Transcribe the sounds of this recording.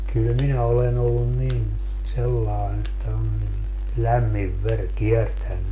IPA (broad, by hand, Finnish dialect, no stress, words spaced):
kyl minæ olen olːun nin selːɑen etːæ on nin læmːiʋ ʋer kiertænːy